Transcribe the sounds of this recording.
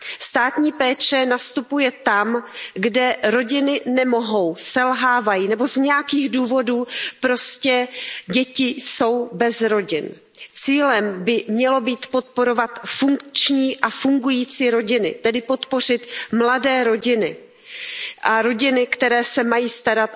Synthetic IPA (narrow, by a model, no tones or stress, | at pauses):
st̪aːt̪ɲiːpɛːt͡ʃɛnast̪upujɛt̪amɡdɛɾo̞ɟɪnɪnɛmo̞ɦo̞wsɛlɦaːvajiːnɛbo̞zɲɛjakiːɣduːvo̞duːpɾo̞scɛɟɛcɪso̞wbɛzɾo̞ɟɪn | t͡siːlɛmbɪmɲɛlo̞biːt̪po̞t̪̚po̞ɾo̞vat̪fuŋkt͡ʃɲiːʔafuŋɡujiːt͡siːɾo̞ɟɪnɪ̰t̪ɛdɪpo̞t̪po̞r̝ɪt̪mladɛːɾo̞ɟɪnɪ | ʔaɾo̞ɟɪnɪkt̪ɛɾɛːsɛmajiːst̪aɾat̪